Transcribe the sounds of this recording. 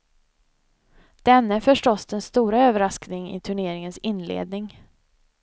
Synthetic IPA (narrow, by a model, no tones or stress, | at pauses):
d̪̥ɛnːəfœʂʈɔsd̪ɛnst̪uːɾaøːvəɾasknɪŋɪ̰t̪ʰɵɳeːɾɪŋənsɪnːlḛːd̪̚nɪŋ